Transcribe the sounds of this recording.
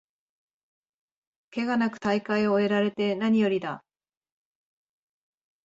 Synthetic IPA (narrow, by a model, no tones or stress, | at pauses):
ke̞ɡanakɯ̟̥t̪aikaio̞e̞ɾaɾe̞t̪e̞naɲ̟ijo̞ɾʲid̪a